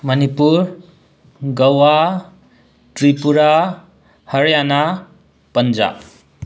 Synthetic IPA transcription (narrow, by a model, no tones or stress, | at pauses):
mʌnipuɾ | ɡʌwa | tɾipuɾa | hʌɾjana | pʌnd͡ʒa̰